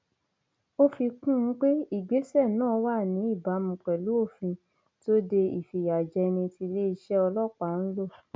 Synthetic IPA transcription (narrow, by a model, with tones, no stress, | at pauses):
o˦fi˧kũ˦˧˦k͡pe˦i˦˨ɡ͡be˨˦sɛ˦˨nãː˦˨˦wa˦˨nĩ˨˦i˦˨ba˨˦mũ˧k͡pɛ˨lu˨˦o˦˨fĩ˧ | to˦de˧i˨fi˨ja˨d͡ʒɛ˧nĩ˧ti˧le˦i˧ʃɛ˦ɔ˧lɔ˦˨k͡pa˦˨n̩˦lo˦˨